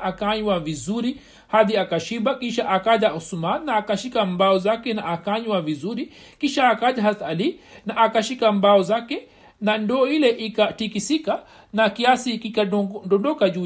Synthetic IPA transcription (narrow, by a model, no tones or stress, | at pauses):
akaɲwavizuɾi | haðiakaʃiɓakiʃaʔakaʄausumannaːkaʃikambaɔzakɛnaːkaɲwavizuɾi | kiʃaːkaʄaɦaθaalinaʔːkaʃikambaɔzakɛ | nandɔːilɛʔikatikisika | nakiasikikadɔndɔkaʄu